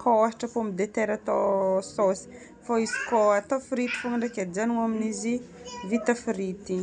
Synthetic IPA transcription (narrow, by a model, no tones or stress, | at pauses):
kaaɦi̥ʈ͡ʂəpomid̪et̪eɾat̪ososi̥ | foizi̥koat̪ofiɾit̪i̥fuŋaɳɖ͡ʐakazanuaminizi | vit̪afiɾit̪i